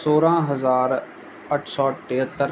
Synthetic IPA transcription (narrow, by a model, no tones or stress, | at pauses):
soːɾãːɦəzaːɾ | əʈʰsɔːʈeɦət̪ːəɾ